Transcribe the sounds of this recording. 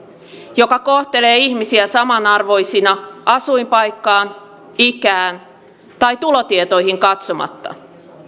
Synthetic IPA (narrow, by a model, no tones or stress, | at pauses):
jo̞kɑkoht̪e̞le̞ːihmisiæsɑmɑnɑrʋo̞jsinɑʔɑsuimpɑjkːɑːn | ikæːn | t̪ɑjt̪ulot̪iet̪o̞jhiŋkɑt̪so̞mɑ̰t̪ːɑ̰